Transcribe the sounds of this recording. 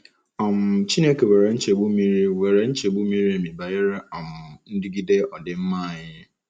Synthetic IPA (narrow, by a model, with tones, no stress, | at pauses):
ɔ̃˨m˨t͡ɕʰi˦nẽ˦kɛ˨wɛ˨ɾɛ˨˦n̩˦t͡ʃʰe˨bu˦mĩ˦ɾi˦wɛ˨ɾɛ˦n̩˦t͡ʃʰe˨bu˦mĩ˦ɾi˦˨mĩ˨ba˨jɛ˦ɾɛ˦ɔ̃˨mn̩˦di˦ɡi˦de˦ɔ˨dɪ˦m̩˦mã˦˨jɪ˦